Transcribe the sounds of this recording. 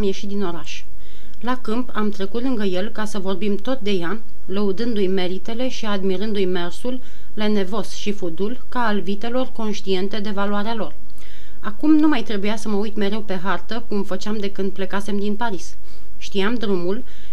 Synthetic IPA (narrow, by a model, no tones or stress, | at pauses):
mje̞ʃit̪̚d̪ino̞ɾaʃ | lakɨmpamt̪ɾe̞kut̪lɨŋɡəje̞lkasəvo̞rbimt̪o̞t̪̚d̪e̞ja | ləud̪ɨnd̪ujme̞ɾit̪e̞le̞ʃiad̪miɾɨnd̪ujme̞rsulː | ene̞vo̞sʃifud̪ulkaːlvit̪e̞lo̞rko̞nʃt̪ie̞nt̪e̞d̪e̞valuaɾealo̞r | akumnumajt̪ɾe̞bujasəməujt̪me̞ɾe̞wpe̞ɦart̪əkumfət͡ʃeamd̪e̞kɨnd̪̚ple̞kase̞md̪inpaɾis | ʃt̪iamd̪ɾumul